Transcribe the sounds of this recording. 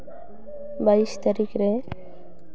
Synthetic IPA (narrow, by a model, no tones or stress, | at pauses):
baiʃt̪aɾikɾe